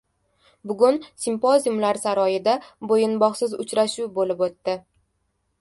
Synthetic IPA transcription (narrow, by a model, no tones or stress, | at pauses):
bʊɡʊnsɪmpozjumlaɾsaɾɒjɪd̪abojɪnbɒχsɪzʊt͡ʃɾaʃuwbolɪpot̪ːɪ